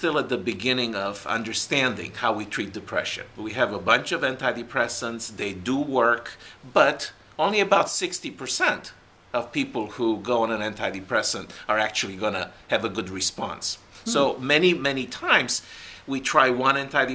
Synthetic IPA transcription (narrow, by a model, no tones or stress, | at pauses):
stɪlˠət̪̚ðɨbɨɡɪ̃nɪ̃ŋʌvʌ̰̃ndə˞stæ̃ndɪ̰̃ŋhaʊwitʰɹ̥it̪̚d̥ɨpʰɹ̥ɛ̰ʃɨ̰̃nwiɨvəbʌ̃nt͡ʃʌvɛ̃ntʰaɪɾipʰɹ̥ɛsə̃ntsðeɪdəwɜ˞kb̥ʌɾ | õʊ̃nliɨbaʊtsɪkstipʰə˞sɛ̃nt | ʌv̥pipl̩ˠhuɡoʊə̃nə̃nɛ̃ntʰaɪɾipʰɹ̥ɛsə̃ntə˞æk̚t͡ʃul̩ˠiɡʌnɨɨvəɡʊd̚ɹɨspɑ̰̃nsː | oʊmɛnimɛnitʰãɪ̃mz̥witʰɹ̥aɪwʌ̃nɛ̃ntʰaɪɾi